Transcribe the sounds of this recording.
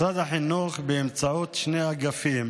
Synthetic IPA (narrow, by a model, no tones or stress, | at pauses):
ad̪aħinuχbeːmt͡saut̪ʃneaɡafim